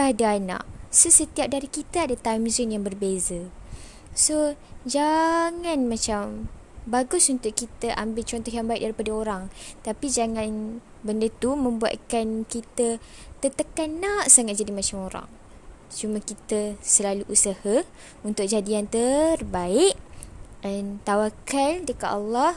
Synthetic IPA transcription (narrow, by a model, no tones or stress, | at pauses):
adaːna̰ʔsəsət̪iap̚daɾikit̪aadat̪ajmzinjaŋbərbezə | sod͡ʒaŋanmãt͡ʃam | baɡʊsunt̪ʊʔkit̪aʔambɪlt͡ʃɔnt̪ɔɦjaŋbaik̚daɾipadaoɾaŋt̪apid͡ʒaŋãn | bəndət̪umə̃mbua̰t̪̚kankit̪ə | t̪ət̪əkannnːaʔsaŋat̪̚d͡ʒadimat͡ʃamoɾa̰ŋ | t͡ʃumãkit̪əsəlaluʔusaha | unt̪ʊk̚d͡ʒadiant̪ərbaɪʔ | ant̪awakaldəkat̪alːah